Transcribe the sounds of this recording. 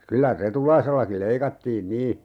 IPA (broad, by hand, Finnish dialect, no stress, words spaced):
kylæ retulɑiselːɑkil̆ leikɑtːiːn niː